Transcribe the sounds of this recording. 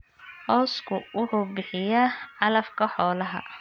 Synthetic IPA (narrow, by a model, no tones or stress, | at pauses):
hɔːskʰʊwʊħuːbɪħɪjaːɐlɐfkʰɐħɔːlɐɦɐ̰